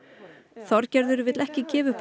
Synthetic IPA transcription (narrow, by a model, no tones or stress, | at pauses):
θɔɾcɛɾðʏɾvɪt̪lɛhcɪcɛːvʏpʰ